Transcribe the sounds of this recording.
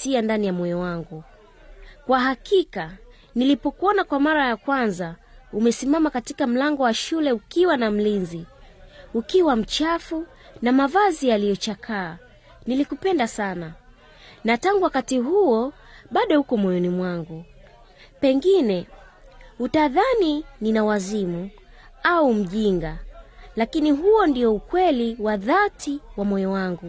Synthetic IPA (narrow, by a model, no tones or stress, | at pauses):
siandanijamɔjɔwaŋɡu | kwaɦakika | nilipɔkuɔnakwamaɾajakwanza | umɛsimamakatikam̩laŋɡɔwaʃulɛukiwanam̩linzi | ukiwam̩t͡ʃafu | namavazijalijɔt͡ʃakʰaː | nilikupɛndasana | nataŋɡuwakatiɦuɔ | ɓaɗɔhukɔmɔjɔnimwaŋɡu | pɛŋɡinɛ | hutaðanininawazimu | aum̩ʄiŋɡalakiniɦuɔndiɔukwɛliwaðatʰiwamɔjɔwaŋɡu